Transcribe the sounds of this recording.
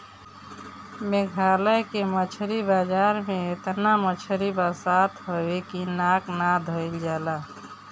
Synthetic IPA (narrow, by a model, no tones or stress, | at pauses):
meɡʱaləjkemət͡ʃʰɾibad͡ʒaɾmeet̪namət͡ʃʰɾibasat̪ɦowekinaknad̪ʱəild͡ʒala